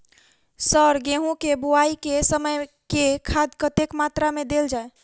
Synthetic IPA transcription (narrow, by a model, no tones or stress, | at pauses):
səɾɡẽɦũkebuaikesəməj | kekʰad̪kət̪ekmat̪ɾamed̪eld͡ʒae